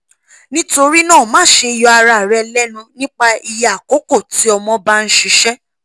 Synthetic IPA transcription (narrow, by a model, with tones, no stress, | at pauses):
nĩ˦to˧ɾi˦nãː˦˨mãː˦˨˦ʃe˧i˧˨jɔ˧a˧ɾa˨ɾɛ˧lɛ˦nũ˧nĩ˦k͡pa˧i˧ja˨ko˨˦ko˦˨ti˨˦ɔ˧mɔ̃˧ba˦ñ̩˦ʃi˧ʃɛ˦